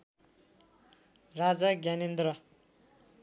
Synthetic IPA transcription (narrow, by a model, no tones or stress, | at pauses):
rad͡zʌɡjanend̪ɾʌ